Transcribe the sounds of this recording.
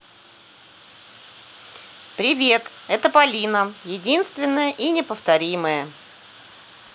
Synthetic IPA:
pɾʲɪvʲe̞t̪ | ɛt̪əpɐlʲinəjɪdʲinst̪vʲɪnːəjəʔinʲɪpəft̪ɐɾʲiməjə

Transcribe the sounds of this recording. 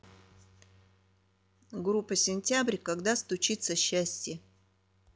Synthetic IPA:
ɡrupːəsʲɪnʲtʲabrʲkɐɡd̪ast̪ʊt͡ʃit̪səɕːasʲtʲe

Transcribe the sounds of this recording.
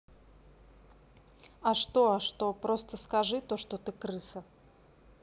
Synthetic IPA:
ɐʂt̪oɐʂt̪o̞pɾost̪əskɐʐɨt̪oʂt̪ot̪ɨkɾɨsə

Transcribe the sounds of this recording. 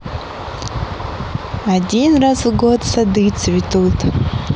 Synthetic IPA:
adʲinrasvɡodsad̪ɨt͡sʰvʲitʰutʰʼ

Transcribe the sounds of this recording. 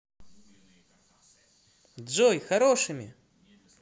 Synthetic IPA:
d̪zɔjxaɾɔʂɨmʲḭ

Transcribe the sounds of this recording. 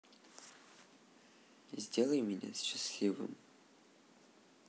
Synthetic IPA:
zʲdʲelˠəjmʲɪnʲa̰sɕɪsʲlʲivɨ̰m

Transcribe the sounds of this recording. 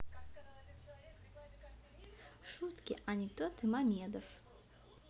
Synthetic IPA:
ʂut̪kʲɪ̰ʔanʲɪt̪ot̪ɨmamʲed̪əf

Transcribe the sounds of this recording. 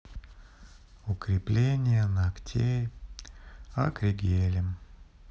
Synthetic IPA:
ʊkɾʲɪplʲenʲɪjənɐktʲʰej | ɐ̰kɾʲɪɡʲelʲɪm

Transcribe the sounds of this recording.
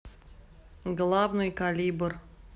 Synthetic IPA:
ɡlˠavnɨjkalʲibr

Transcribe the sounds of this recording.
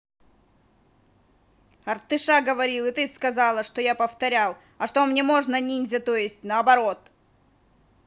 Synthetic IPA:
ɐrt̪ɨʂaɡəvɐɾʲilˠɨt̪ɨskɐzɑlˠəʂt̪ojapəft̪ɐɾʲalˠ | ɐʂt̪omnʲe̞mo̞ʐnɐnʲinʲzʲɐt̪o̞jɪsʲtʲnəɐbɐɾo̞t̪

